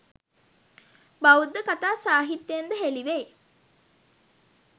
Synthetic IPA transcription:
baud̪ːəkat̪aːsaːɦit̪ːejend̪əɦeliʋej

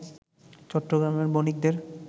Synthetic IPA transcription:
t͡ɕɔʈːoɡɾameɾbonik̚d̪eɾ

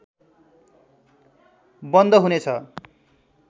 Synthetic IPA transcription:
bʌnd̪ʌɦunet͡sʰʌ

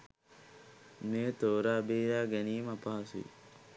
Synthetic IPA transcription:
meːt̪oːɾaːbiːjaːɡæniːmapaɦasṵḭ

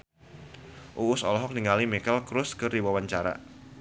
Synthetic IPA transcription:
ʔuːsɔlɔɦɔk̚niŋalimikɛlkɾʊskɨrdiwawaɲt͡ʃaɾa̰

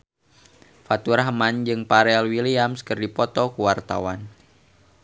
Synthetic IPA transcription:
fat̪uɾaɦəmand͡ʒɨŋpaɾɛlwiliamskərdipɔt̪ɔkuwart̪a̰wan

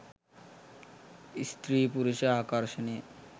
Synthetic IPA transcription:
ist̪ɾiːpuɾuʃeakaɾʃeni

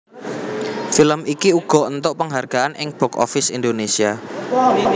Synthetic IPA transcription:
filəmikiuɡ̥ɔ̤ʔənt̪oʔpəŋɦarɡ̥aanʔɪŋb̥ɔkɔ̰fɪsind̪onesia

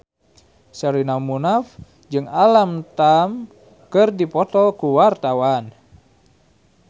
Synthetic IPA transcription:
səɾinamunaf | d͡ʒɨŋalamt̪am | kɨrdipɔt̪ɔlkuwart̪awan

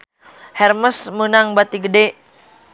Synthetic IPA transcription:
hɛrməsmənaŋbat̪iɡəde

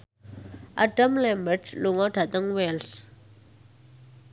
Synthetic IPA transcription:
ʔa̰ɖ̥əmlɛmbərdluŋɔɖ̥a̤t̪əŋwɛls

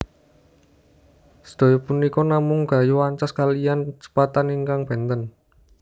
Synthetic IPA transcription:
sə̥d̪̥o̤jɔpunikɔnamʊŋɡ̥a̤juaɲt͡ʃɔskalijant͡ʃə̥pat̪aniŋkaŋb̥e̤nt̪ən

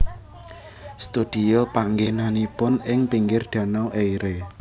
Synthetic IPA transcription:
st̪ud̪̥i̤opaŋɡenanipʊnɪŋpiŋɡɪrd̪̥ä̤nɔwʔejɾe

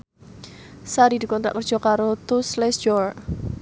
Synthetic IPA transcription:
saɾid̪ikɔnt̪ɾa̰ʔkərd̥ʒ̥ɔ̤kaɾot̪uslɛsd͡ʒɔr

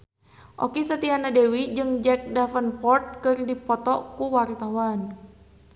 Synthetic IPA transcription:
ʔo̰kisət̪ianadewid͡ʒɨŋd͡ʒɛk̚dafənpɔrt̪̚kɨrdipɔt̪ɔkuwart̪awan

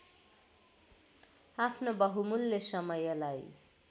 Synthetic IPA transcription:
apʰnobʌɦumulːesʌmʌjʌlaj

